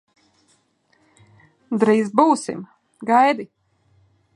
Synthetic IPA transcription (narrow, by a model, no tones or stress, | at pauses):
d̪ɾiːzbuːsḭm | ɡajd̪i